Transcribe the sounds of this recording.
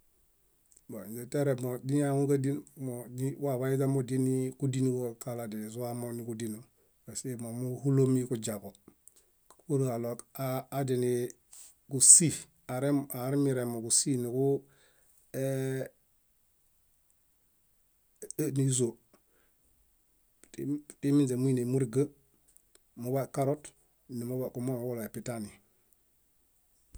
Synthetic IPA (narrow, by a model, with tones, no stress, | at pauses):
bo˨d͡ʒe˨te˦ɾe˨mo˨di˦na˦ŋu˦ka˦di˦nmo˨diwa˦βa˦i˦ta˦mo˨di˦ni˦ku˦di˦nu˦ɡo˦ka˦la˨de˨zu˦a˦moni˨kudinu˨ | ba˨se˦mo˨mu˦hu˦lo˦mikud͡ʒako˨ | u˦ɾa˨lo˨kaː˦di˨ni | ku˨si˦ | aɾemaɾimiɾemo˨kusi˦niku | e | niz̬o | timi˦nsemu˦i˦nemu˦ɾiɡə | muβakaɾot | ni˨mubaku˨mo˦mwo˦lo˨e˨pitani